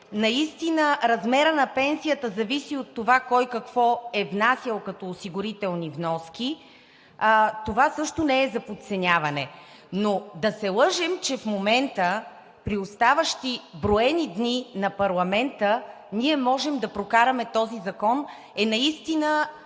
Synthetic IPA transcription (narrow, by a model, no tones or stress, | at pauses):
nɐist̪inəɾɐzmɛɾənɐpɛnsijət̪əzɐvisiot̪ːovakɔjkɐkvɔɛvnasʲjɐlˠkɐt̪ɔːsiɡʊɾit̪ɛlˠnivnɔskʲi | t̪ovasɤʃt̪onɛɛzɐpot̪sɛnʲavɐnɛ | nod̪ɐsɛlˠəʒɛmt͡ʃɛfmomɛnt̪ə | pɾiost̪avəʃt̪ibɾoɛnid̪ninɐpɐɾlˠɐmɛnt̪ə | niɛmɔʒɛmd̪ɐpɾokaɾɐmɛt̪ɔzizɐkɔn | ɛnɐist̪inə